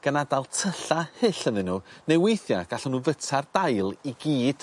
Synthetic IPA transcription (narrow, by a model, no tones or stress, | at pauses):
ɡ̥ənadalˠtʰəɬahɪɬənðɨnːuːnejwejθjaɡ̥aɬɔnuːvətʰard̥ajlˠiɡiːd̥